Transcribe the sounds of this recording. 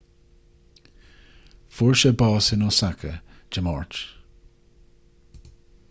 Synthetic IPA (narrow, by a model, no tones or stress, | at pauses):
fʊɹʃəbɑːsɪnɔsakʰə̰d͡ʒəmɔ̰ɹt͡ʃ